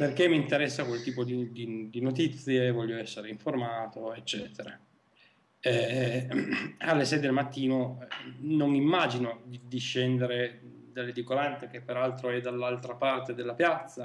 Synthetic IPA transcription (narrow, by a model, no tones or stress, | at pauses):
perk̟emːint̪eɾɛsːakwelt̪iːpod̪id̪id̪inot̪it̪sːjevɔʎːoɛsːeɾeiɱformaːt̪oet͡ʃːɛːt̪ʰeɾa | ɛ | alːesɛjd̪elmat̪ːiːnoɛnonimːad͡ʒinod̪id̪iʃːɛnd̪eɾe | d̪alːed̪ikolant̪ek̟epːeɾalt̪ɾoɛd̪alːalt̪ɾapart̪ed̪elːapjat̪sːa